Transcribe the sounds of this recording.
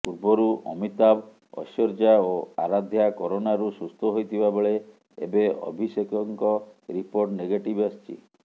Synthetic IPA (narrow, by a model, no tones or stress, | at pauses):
puɾbɔɾuʔɔ̰mit̪ab | ɔ̰ʃɔɾd͡ʒaoa̰ɾad̪ʱjakɔɾonaɾusust̪ʰɔɦojt̪ʰibabeɭe | ḛbeɔ̰bʱisekɔŋkɔɾipoɾʈneɡeʈibɔst͡ʃʰḭ